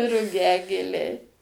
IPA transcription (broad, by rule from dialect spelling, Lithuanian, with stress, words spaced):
rʊˈɡʲæːɡʲeːlʲɛɪ